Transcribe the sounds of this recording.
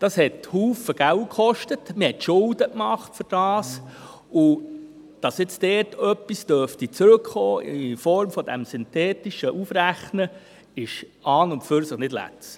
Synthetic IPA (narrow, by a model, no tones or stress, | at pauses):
d̥ɑshɛthuːfəɡ̥ælkχɔʃtətməhɛtʃʊldəkmɑχtfʏɾd̥ɑːs | ʊ | d̥ɑsjɪt͡sd̥ɛːtœpːisd̥øftit͡sɾɵkχoːɪfɔɾmfɔd̥ɛ̰msʏntɛːtiʃəʔufɾæχnə | ɪʃɑːnʊntføɾsəχnɪdlæ̰t͡s